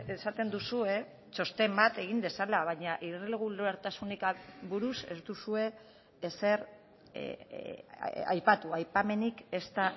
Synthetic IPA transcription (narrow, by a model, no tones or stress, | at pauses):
esat̪e̞nd̪usue̞ | t͡ʃo̞st̪e̞mbat̪e̞ɣind̪e̞salaβ̞aɲaʔiɾrileɣuloeɾt̪asunikaβuɾuse̞̰zd̪usue̞ː | se̞ɾ | a̰jpat̪uajpame̞nike̞st̪a